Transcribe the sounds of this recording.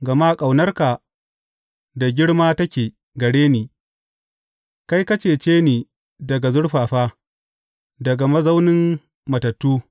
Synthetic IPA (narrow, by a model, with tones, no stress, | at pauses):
ɡɐ˨maː˦kʼa˨wnɐ˦rka˨ | da˨ɡʲɪ˦ɽmaː˦tɐ˦kʲeː˨ | ɡɐ˨ɽeː˦niː˨ | ka˦jkɐ˦t͡ʃeː˨t͡ʃeː˦niː˨ | dɐ˨ɡa˨zʊ˦ɽɸaː˨ɸaː˦ | dɐ˨ɡa˨mɐ˦za˦wnɪ˦m | mɐ˨tɐ˨tːuː˦